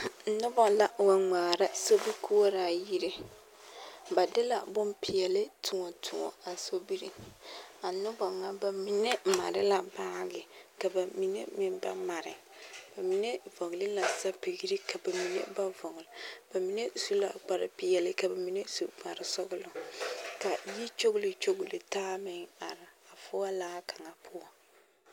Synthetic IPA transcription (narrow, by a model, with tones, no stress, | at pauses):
nʊ˦bɔ˨la˨wa˨ŋ͡maː˨ɾa˦so˦bi˦ku˦o˦ɾa˨ji˦ɾe˦ | ba˨dɪ˦la̰˨bʊ˦mpɪ˨jɛ˨lɪ˦tʰʊ˨ŋɔ˨tʰʊ˨ŋɔ̰˨a˨so˦bi˦ɾi˦˨a˨nʊ˦bɔ˨ŋa˨ba˨mi˨ne˦˨ma̰˨ɾɪ˦la˨ba˦ɡɪ˨ka˨ba˨mi˨ŋḛ˦mɪ˦mba̰˦ma˨ɾɪ̰˨ | b̥a˨mi˨ne˦vɔ˨ŋ˨lɪ˦la˨sa˦pi˨ɡi˦ɾi˦ka˨ba˨mi˨nḛ˦ba˦vɔ˨ŋ˨lɪ˨b̥a˨mi˨ne˦su˦la̰˨ɡ͡ba˨ɾɪ̰˨pɪ˨jɛ˨lɪ˦ka˨ba˨mi˨ne˦su˨ba˨ɾɪ˨sɔ˦ɡʊ˦lʊ˨ka˨ji˦t͡ʃo˦ɣʊ˦lɪ˦t͡ʃo˦ɡʊ˨lɪ˨taː˦mɪ˦ŋa̰˨ɾɪ˨a˨fʊ˦a˦laː˦ka˨ŋa˨pʰʊ˦ɔ˦